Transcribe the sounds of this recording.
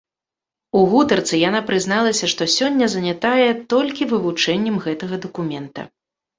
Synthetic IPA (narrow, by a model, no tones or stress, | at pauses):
uɣut̪ɐrt̪sɨjanapɾɨznalˠɐsʲɐʂt̪ɔsʲɔnʲːɐzɐnʲat̪ajɛt̪ɔlʲkʲivɨvut͡ʂɛnʲːɐmɣɛt̪ɐɣɐd̪ɐkumʲɛnt̪ɐ̰